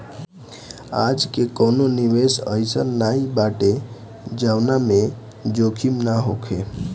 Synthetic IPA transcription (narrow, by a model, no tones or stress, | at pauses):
ad͡ʒkekənoniʋesə̰jsənnaibaʈe | d͡ʒawname | d͡ʒokʰimnaɦokʰe